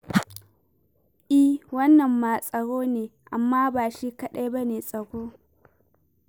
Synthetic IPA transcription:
ʔi˦wɐ˦nːɐ˨mːaː˨sʼɐ˨ɽoː˦neː˨ʔa˨mːaː˦baː˨ʃiː˦kɐ˦ɗa˦bɐ˦neː˨sʼɐ˨kʷoː˦

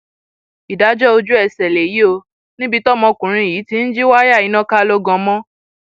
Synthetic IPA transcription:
i˨da˨˦d͡ʒɔ˦o˧d͡ʒu˦ɛ˦˨sɛ˨le˨ji˨˦o˧ | nĩ˦bi˧tɔ˦mɔ̃˧˨kũ˨ɾ̃ĩ˧i˨ji˨˦ti˧n̩˦d͡ʒi˦wa˦ja˦˨i˨˦nã˦ka˦lo˦ɡɔ̃˧mɔ̃˦

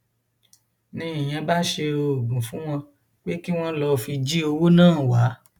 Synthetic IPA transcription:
nĩ˧i˨j̃ɛ̃˧ba˦ʃe˧o˧˨ɡũ˨fũ˨˦w̃ɔ̃˧ | k͡pe˦ki˦w̃ɔ̃˦lɔ˧˨fi˧d͡ʒi˦o˧wo˦nãː˦˨wa˨˦

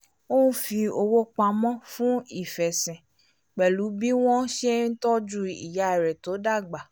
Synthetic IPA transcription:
o˦nũ˦fi˧o˧wo˦k͡pa˧mɔ̃˦fũ˦i˦˨fɛ˨sɛ̃˨ | k͡pɛ˨lu˨˦bi˦w̃ɔ̃˦ʃe˦n̩˦tɔ˦d͡ʒu˦ḭ˨ja˨˦˨ɾɛ˨to˨˦da˦˨ɡ͡ba˨

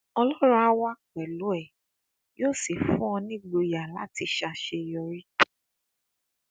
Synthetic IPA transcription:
ɔ˧lɔ˦ɾɔ˦a˦wa˦k͡pɛ˨lu˨˦ɛ˦˨ | joː˦˨si˨fũ˦ɔ̃˧nĩ˦ɡ͡bo˧ja˨la˦ti˧ʃa˧ʃe˧jɔ˧ɾi˦

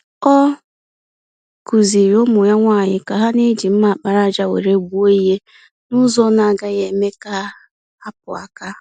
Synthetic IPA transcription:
ɔ˦ | ku˨zi˨ɾo˦mʊ˨ja˦ŋʷa˦˨ɲɪ˦ka˨ɦa˦ne˦d͡ʒi˨m̩˦ma˨k͡pa˨ɾa˦d͡ʒa˦wḛ˨ɾe˦ɡu˦o˦i˦ɦe˦ | nʊ˦zɔ˦na˨ɡa˦ɣe˨me˦ka˦ | a˦p̚ʊ˨a̰˨ka˦

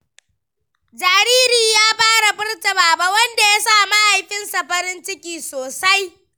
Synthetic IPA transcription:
d͡ʒaː˨ɾiː˦ɾiː˨jaː˦ɸaː˦ɽa˨bɪ˦rtɐ˨baː˨ba˦wɐ˦nda˨ja˦saː˦˨ma˦ʔa˨jɸɪ˦nsa˨ɸɐ˦ɾɪ˦nt͡ʃɪ˦kʲiː˨soː˨sa˦j

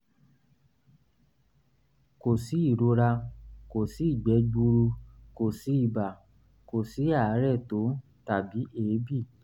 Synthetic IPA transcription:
ko˨si˨˦i˦˨ɾo˧ɾa˧ko˨si˨˦i˦˨ɡ͡bɛ˨˦ɡ͡bu˧ɾu˧ko˨si˨˦i˦˨ba˨ | ko˨si˨˦a˦˨˦ɾɛ˦˨to˨˦ | ta˨bi˨˦ʔeː˨˦bi˦˨

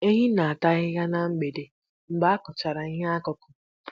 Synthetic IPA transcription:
e˦ɦi˦na˨a˨ta˦ɣɪ˦ɣa˦na˦m̩˦ɡ͡be˨de˨ | m̩˦ɡ͡ba˦kʊ˨t͡ʃa˨ɾa˨i˦ɦe˦a˦kɔ˦kʊ˨

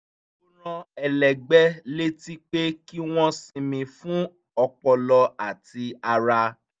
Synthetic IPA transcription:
u˦ɾ̃ã˧ɛ˨lɛ˨ɡ͡bɛ˦le˦ti˦k͡pe˦ki˦w̃ɔ̃˦sĩ˧mĩ˧fũ˦ | ɔ˧k͡pɔ˧lɔ˧a˨ti˧a˧ɾa˧

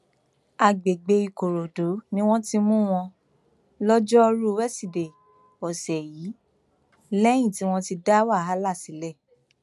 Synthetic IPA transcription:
a˨ɡ͡be˨ɡ͡be˧i˧ko˨ɾo˨do˨˦nĩ˦w̃ɔ̃˦ti˧mũ˦w̃ɔ̃˧ | lɔ˦d͡ʒɔ˦˧ɾu˦wɛ˦si˨de˨ | ɔ˨sɛ˨jiː˨˦ | lɛ˦j̃ĩ˦˨ti˨˦w̃ɔ̃˦ti˧da˦wa˦˨a˦la˦˨si˨˦lɛ˦˨

